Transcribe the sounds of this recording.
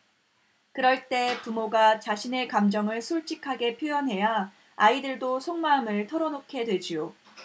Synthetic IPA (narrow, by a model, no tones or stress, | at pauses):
kɯɾʌɭt͈e̞pumoɡat͡ɕaɕʰine̞kamd͡ʑʌŋɯɭsʰoɭt͡ɕ͈ikʰaɡe̞pʰjojʌnɦe̞ja | aidɯɭdosʰoŋmamɯɭtʰʌɾʌnokʰe̞dwe̞d͡ʑijo